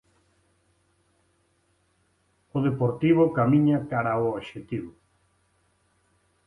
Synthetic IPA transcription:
oðepoɾt̪iβokamĩɲakaɾaooβʃet̪iβo

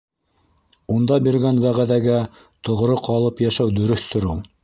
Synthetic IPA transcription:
und̪ɑbiɾɡænwæʁæðæɡæ | t̪ŏʁɾoqɑlˠɤpjæʃæwd̪ɵ̆ɾɵ̆θt̪ŏɾɘw

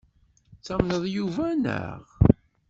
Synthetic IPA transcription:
t͡sːæmnəðˤjuvænə̰ʁ

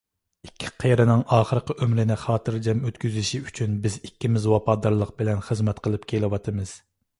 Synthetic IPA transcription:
ikʲʰːi̥qʰeɾɨnɨŋʔɑːχəɾəqəʔømɾɪnɪχɑːt̪ɨɾd͡ʒɛmøt̪kʲyzɪʃiyt͡ʃʰynbɪzikʲːimɪzwɑpɑd̪ɑɾlˠəq̚bɪlɛnχəzmɛt̪qʰəlˠɨp̚kʲʰelɪwɑt̪ʰɨmɨz̥

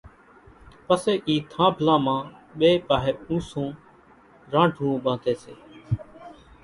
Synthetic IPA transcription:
pəseːʔiːt̪ʰãːbʱlãːmãːɓeːpaːɦeːũːsõː | ɾãːɖʱũːũːɓãːd̪eːsḛː

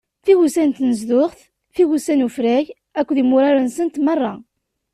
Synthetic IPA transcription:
θiɣusænt̪nəzðʊʁθ | θiɣusænufɾæʝ | ækʷːðimʊɾaɾansənt̪mɑrˤːɑ

